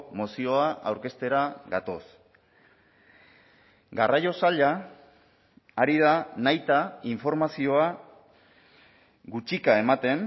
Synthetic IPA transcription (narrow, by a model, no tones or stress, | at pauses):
mo̞sio̞aʔawɾke̞st̪e̞ɾaɣat̪o̞s | ɡarajo̞saʎa | ɾið̞anajt̪aiɱfo̞ɾmasio̞a | ɣut͡ʃikae̞mat̪e̞n